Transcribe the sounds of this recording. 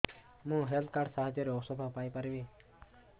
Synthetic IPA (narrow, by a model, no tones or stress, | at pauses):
mũːɦelt̪̚kaɾɖsaɦad͡ʒjɔɾeosɔbʱapajpaɾiʋĩ